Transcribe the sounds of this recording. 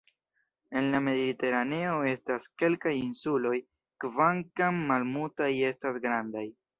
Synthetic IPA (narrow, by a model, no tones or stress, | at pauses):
e̞nlame̞dite̞ɾane̞o̞e̞staske̞lkajinsulo̞j | kvaŋkamːalmutaje̞stasɡɾandaj